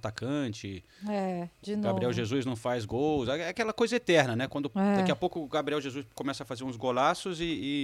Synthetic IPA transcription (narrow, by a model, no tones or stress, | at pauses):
t̪akɐ̃t͡ʃɪ | ɛd͡ʒinɡaoɾiɛwʒezuznɐ̃w̃fajzɡowzɛɛakɛlɐkojzɐet̪ɛɾnɐnɛkwɐ̃nd̪ʊd̪aiɐpowkʊɡabɾiɛwʒezuskõmɛsɐfazeɾũzɡolasʊzɪː